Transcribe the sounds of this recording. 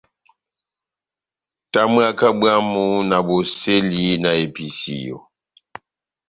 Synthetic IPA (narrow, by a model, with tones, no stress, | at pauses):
ta˦mɰa˦˨ka˦bɰa˦mu˦na˨bo˨se˦li˦na˨e˨pi˨sḭ˨jo̰˨